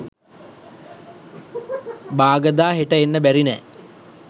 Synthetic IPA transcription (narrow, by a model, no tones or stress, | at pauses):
baːɡəd̪aːɦeʈəenːəbæɾinɛː